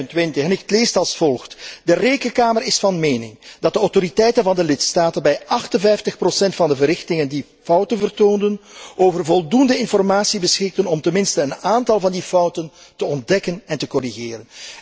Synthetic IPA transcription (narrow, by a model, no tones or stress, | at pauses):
ntʋɪntəxɛnɪkətleːstɑlˠsfɔlˠxtdəreːkənkaːmərɪsfɑnmeːnɪ̰ŋd̥ɑt̚dəɔwtoɾitɛjtənvɑndəlɪtstaːtənbɛjɑxtənvɛjftəxprosɛntfɑndəvərɪxtɪŋəndi | fʌwtənvərtoːndənʔoːvərvɔlˠdundəɪnfɔrmaːsibəsxɪk̚tənɔmtəmɪnstəːnaːntɑlˠvɑndifʌwtəntəɔnt̚dɛkənɛntəkɔɾiɣɪːɾən